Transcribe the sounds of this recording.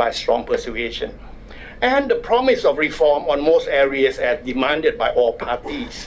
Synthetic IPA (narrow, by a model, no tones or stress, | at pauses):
ajstɹɔ̰̃ŋpʰəsueʃə̰̃n | ɛ̃ndəpʰɹɔmɪsɔfɹifɔmɔ̃nmostɛɹiəsɛsdimãndəd̚bajʔɔlpʰatis